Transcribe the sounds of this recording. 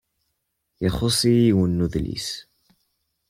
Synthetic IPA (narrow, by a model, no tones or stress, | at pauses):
jəχosˤiiwənːuðlḭs